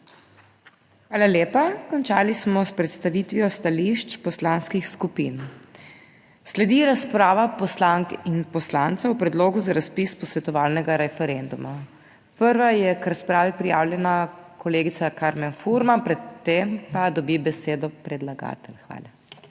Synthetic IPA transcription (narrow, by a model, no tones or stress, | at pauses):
xʋaːlaljeːpakɔnt͡ʃaːlismɔspɾɛt̪st̪aʋit̪ʋijɔst̪aliʃt͡ʃpɔslanskixskupin | slɛd̪iɾaspɾaːʋapɔslaŋkinpɔslant̪sawpɾɛd̪loːɡuzaɾaspispɔsʋɛt̪ɔʋaːlnɛɡaɾɛfɛɾɛnd̪uma | pəɾʋajɛkɾaspɾaːʋipɾijaːwlʲjɛnakʰɔleːɡitsakaɾmɛnfuɾmapɾɛt̪ːempad̪ɔbibɛseːd̪ɔpɾɛd̪laɡa̰ːt̪ɛlxʋa̰ːla